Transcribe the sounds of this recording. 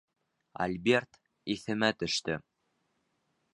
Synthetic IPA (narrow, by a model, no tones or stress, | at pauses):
ɐ̰lʲbʲe̞rt̪ | iθɘ̆mæt̪ɵ̆ʃt̪ɘ